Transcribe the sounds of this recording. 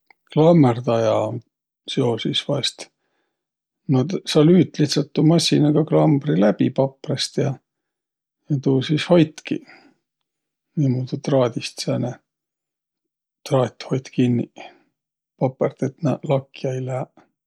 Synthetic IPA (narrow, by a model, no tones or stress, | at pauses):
klɑmːert̪ɑjɑ | seosisvɑst̪ | mɑt̪sɑlyːt̪ːˑliht̪sɑlt̪ːuːmɑsʲːinɑɡ̥ɑklɑmb̥rilæb̥ipɑpːrest̪jɑ | jɑt̪uːsisho̞jt̪kḭ | niːmuːd̪ut̪rɑːd̪ʲist̪sene | t̪rɑːt̪ʲho̞jt̪kinːi | pɑpːˑert̪et̪nɑlɑkːjɑjlæː